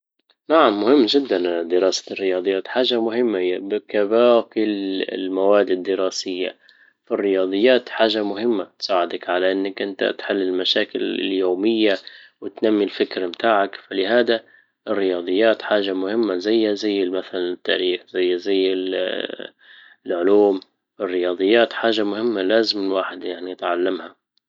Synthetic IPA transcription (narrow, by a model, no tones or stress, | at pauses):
naʕamːʊhɪmːʒɪd̪ːand̪ɪɾɑːsḁrːɪjɑːd̪ˤɨjːaːt̪ħaːʒamʊɦɪmːajabɪkabaːkɪlɪ̰lmawaːd̪ɪd̪ːɪɾɑːsɪjːa̰ | firːɪjɑːd̪ˤɨjːaːt̪ħaːʒamʊɦɪmːat̪saːʕɪd̪akʕalaʔɪnːakʔɪnt̪a̰t̪ħɪlːɪlmaʃaːkɪlɪ̰ljoːmɪjːawɪt̪namːilfɪkɾamt̪aːʕakfalɪhaːd̪a | ʔɪrːɪjɑːd̪ˤɨjːaːt̪ħaːʒamʊhɪmːazajːazajːɪmaθalanɪt̪ːa̰ːɾiːxz̥ajːzajːɪ | lʕʊluːm | wɪrːɪjɑːd̪ˤɨjːaːt̪ħaːʒamʊhɪmːalaːzɪmɪwaːħɪd̪jaʕniʔat̪ʕalːamha